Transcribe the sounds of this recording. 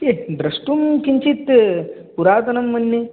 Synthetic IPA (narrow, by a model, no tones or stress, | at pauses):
ked̪ɾɐʂʈumkiɲt͡ʃit̪puɾaːt̪ɐnɐmːɐnːe